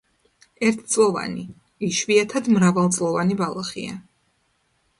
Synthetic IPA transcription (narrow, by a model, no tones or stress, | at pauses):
ɛɾt̪ʰt̪sʼlˠɔva̰nḭ | iʃviat̪ʰad̪mɾavalˠt̪sʼlˠɔvanibalˠaχḭa̰